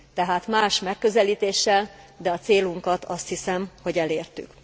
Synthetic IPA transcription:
t̪ɛɦaːt̪maːʃmɛkːø̞zɛliːt̪eːʃːɛl | d̪ɛɒt̪seːluŋkɒt̪ʰɒst̪hisɛmho̞ɟɛleːrt̪y̰k

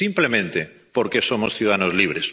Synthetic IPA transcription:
implemẽnt̪e | poɾkesomosθjuðaanozliβ̞ɾes

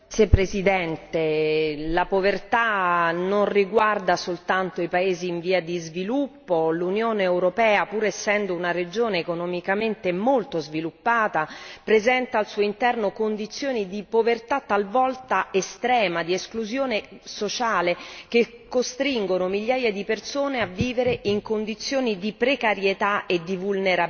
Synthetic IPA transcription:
sepːɾezid̪ɛnt̪elapovert̪anonriɡward̪asolt̪ant̪oipaeːziːɱviːad̪izvilupːolunjoːneːwɾopɛːapuːɾesːɛnd̪ounaɾed͡ʒoːneːkonɔmikament̪emolt̪ozvilupːaːt̪apɾezɛnt̪aːlsuːoint̪ɛrnokond̪it̪sːjoːnid̪ipovert̪at̪ːalvɔlt̪aest̪ɾɛːmad̪ieskluzjoːnesot͡ʃaːleke | kːost̪ɾiŋɡonomilːaːjad̪ipersoːneavːiːveɾeʔiŋkond̪it̪sːjoːnid̪ipɾekaɾjet̪aed̪ːivulneɾa

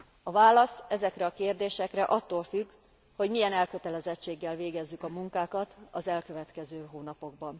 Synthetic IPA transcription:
ɒvaːlɒsɛzɛkrɛɒkeːrd̪eːʃɛkrɛʔɒt̪ːoːlfyɡ | ho̞ɟmijɛnɛlkø̞t̪ɛlɛzɛt͡ʃːeːɡːɛlveːɡɛzːykɒmuŋkaːkɒt̪ɒzɛlkøvɛt̪kɛzøːɦoːnɒpo̞ɡ̚bɒn

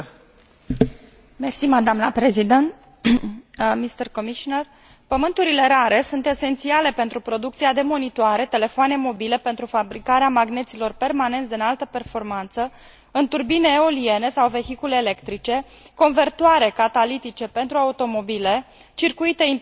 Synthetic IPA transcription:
mersimad̪amləpɾe̞zid̪ent̪ | mist̪erko̞miʃoner | pəmɨnt̪uɾile̞ɾaɾe̞sunt̪e̞se̞nt̪siale̞pe̞nt̪ɾupɾo̞d̪ukt̪siad̪e̞mo̞nit̪oaɾe̞t̪e̞le̞foane̞mo̞bile̞pent̪ɾufabɾikaɾeamaɡne̞t̪silo̞rpe̞rmane̞nt̪ʲd̪inalt̪əpe̞rfo̞rmant̪sə | ɨnt̪urbine̞o̞lie̞ne̞sawve̞çikuleːle̞kt̪ɾit͡ʃe̞ | ko̞nve̞rt̪oaɾe̞kat̪alit̪it͡ʃe̞pe̞nt̪ɾuaut̪o̞mo̞bile̞ | t͡ʃirkuit̪e̞i

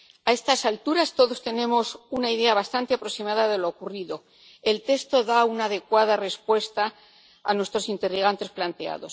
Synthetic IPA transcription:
ae̞st̪asalt̪uɾast̪oðo̞st̪e̞nẽ̞mo̞sunaiðe̞aβ̞ast̪ant̪eapɾo̞simaðaðe̞loːkuriðo̞ | e̞lt̪e̞st̪o̞ðaunaːðe̞kwaðare̞spwe̞st̪a̰ː | nwe̞st̪ɾo̞sint̪e̞riɣant̪e̞splant̪ea̰ðo̞s

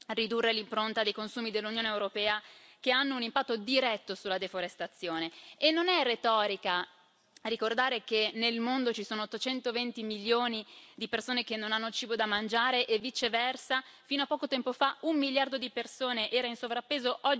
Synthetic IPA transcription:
rid̪urːelimpɾont̪ad̪ejkonsuːmid̪elːunjoːneːwɾopɛːakeanːounimpat̪ːod̪iɾɛt̪ːosulːad̪efoɾest̪at̪sːjoːneːnːonɛret̪ɔːɾika | rikord̪aːɾekenelmond̪ot͡ʃisoːnoot̪ːot͡ʃɛnt̪ovent̪imiljoːnid̪ipersoːnekenːonanːot͡ʃiːbod̪amand͡ʒaːɾeʔevːit͡ʃevɛrsafiːnoapːɔːkot̪ɛmpofaumːiljard̪od̪ipersoːneʔɛːɾainsovɾapːeːzoʔɔd͡ʒ

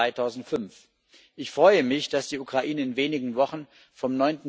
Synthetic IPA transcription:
aɪtʰaʊzn̩tfʏnf | ʔɪçfʁ̥ɔʏəmɪçd̥asd̥iːukʁ̥aʔiːnəɪnveːnɪɡŋ̩vɔχn̩ | fɔmnɔʏntn̩

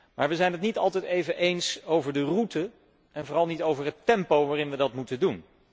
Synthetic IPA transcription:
maːɹʋəzɛjnɦətnitɑlˠtɛjtejvəʔejnsowvəɹdərutə | ʔɛnvʊrɑlˠnitowvəɹɦətːɛmpowʋaːrɪnʋədɑtmutədun

